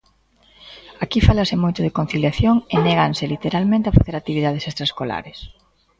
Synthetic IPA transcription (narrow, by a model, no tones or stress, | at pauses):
akifalasɪmojt̪ʊðekon̟θiljaθjoŋenɛɣansɪlit̪eɾalmẽnt̪eafaθeɾat̪iβiðað̞esest̪ɾaskola̰ɾes